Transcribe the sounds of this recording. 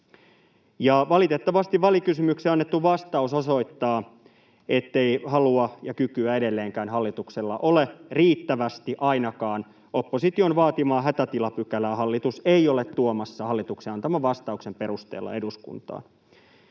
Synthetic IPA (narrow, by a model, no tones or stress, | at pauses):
jɑʋɑlit̪et̪ːɑʋɑst̪iʋʋɑlikysymykseɑnːet̪ːuʋɑst̪ɑusoso̞it̪ːɑː | et̪ːe̞ihɑluɑjɑkykyæedelːeːŋkæːnɦɑlːit̪ukselːɑʔo̞leriːt̪ːæʋæst̪iʔɑinɑkɑːn | opːosit̪ionʋɑːt̪imɑːɦæt̪æt̪ilɑpykælæːhɑlːit̪useiolet̪ːuomɑsːɑhɑlːit̪ukseɑnt̪ɑmɑʋɑst̪ɑuksempe̞ɾust̪ḛːlːɑ̰e̞duskṵnt̪ɑ̰ːn